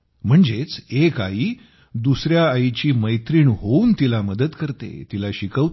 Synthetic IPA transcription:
m̤əɳd͡zet͡seka̰iː | d̪usɾjaːit͡ɕiːməjt̪ɾiːɳɦouːnt̪ilaməd̪ət̪kəɾt̪ḛt̪ilaɕikəʋ

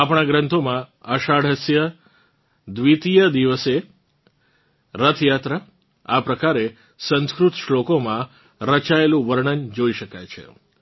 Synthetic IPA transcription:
apɳ̃ãɡɾə̃nt̪ʰomãəʃaɽɦəsjə | d̪ʋit̪ijəd̪iʋəse | ɾət̪ʰjat̪ɾə | apɾəkaɾe | sə̃nskɾut̪ʃlokomã | ɾət͡ʃaelũʋəɾɳənd͡ʒoiʃəkajt͡ʃʰḛ

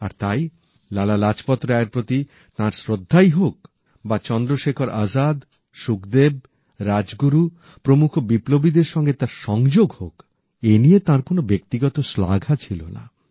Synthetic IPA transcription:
a̰ɾt̪aj | lalalad͡ʑpɔt̪ːɾaeɾpɾot̪i | t̪ãɾsɾod̪ʱːajɦok | bat͡ɕɔnd̪ɾoʃekʰoɾʔazad̪ | ʃukd̪eb̚ | ɾad͡ʑɡuɾu | pɾomukʰobiplobid̪eɾʃɔŋɡet̪aɾʃɔŋd͡ʑoɡhok | eniet̪ãɾkonobek̚t̪iɡɔt̪osla̰ɡʱat͡ɕʰilona̰

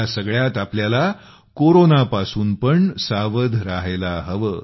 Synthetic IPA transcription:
asəɡɭjat̪apljala | koɾonapasuːnpəɳsaʋəd̪ʱɾaɦelaɦəʋəː

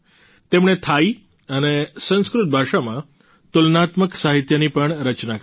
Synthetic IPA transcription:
t̪emɳ̃et̪ʰai | ənesə̃ñskɾut̪̚bʱaʃamã | t̪ulnat̪məksaɦit̪jənipəɳɾət͡ʃnak

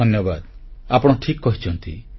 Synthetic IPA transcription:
ɔnjɔbad̪apɔɽ̃ɔʈʰikkɔɦit͡ʃʰɔnt̪i

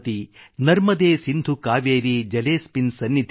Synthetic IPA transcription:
t̪inɐɾmɐd̪eːsind̪ʱukaːʋeːɾid͡ʒɐleːspinsɐnːit̪

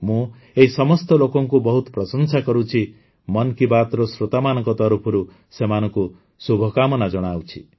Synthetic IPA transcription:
mũ | eɦisɔmɔst̪ɔlokɔŋkubɔɦut̪ɔ̥pɾɔsɔnsakɔɾut͡ʃʰi | mɔnkibat̪ɾɔsɾot̪amanɔŋkɔt̪ɔɾupʰɔɾu | semanɔŋku | subʱɔkamɔnad͡ʒɔɽ̃awt͡ʃʰḭ

